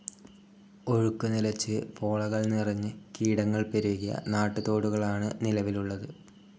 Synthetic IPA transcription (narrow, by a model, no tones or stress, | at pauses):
o̞ɻukːunilɐt͡ɕːɨpo̞ːɭɐɣɐɭnirɐɲːɨkiːɽɐŋːɐɭpeɾuɣijɐ̰naːʈːut̪o̞ːɽuɣɐɭaːɳɨnilɐʋiluɭːɐðɨ